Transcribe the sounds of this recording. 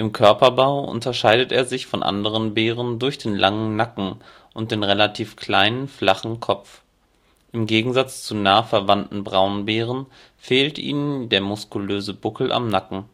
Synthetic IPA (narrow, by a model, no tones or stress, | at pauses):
ʔɪmkʰœɐpɐbaʊʔʊ̰ntɐʃaɪdəteːɐzɪçfɔnʔa̰ndəʁənbeːʁ̞əndʊɐçd̥eːnlʔaŋənnakŋ̩ | ʔʊnt̚d̥eːnʁelatʰiːfkʰl̥aɪnənfl̥aχn̩kʰɔp͡f | ʔɪmɡeːɡŋ̩zat͡st͡sunaːfɛɐvantn̩bʁaʊnbeːʁ̞ən | feːltʔḭːnəndeːɐmʊskuløːzəbʊkl̩ʔa̰mnakŋ̩